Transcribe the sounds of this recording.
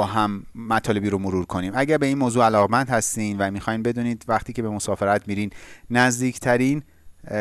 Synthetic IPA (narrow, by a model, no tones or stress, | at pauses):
ɒːɦæmːæt̪ʰɒːle̞biːɾomoɾuɾkʰo̞niːmæɟæɾbe̞iːnmoːzuːælɒːɣemænd̪̥hæst̪iːnvæmixɒːjnbe̞d̪uːniːd̪væχt̪ʰiːcʰebe̞mosɒːfe̞ɾæt̪ʰmiːɾiːnnæzd̪iːcʰt̪ʰæɾiːn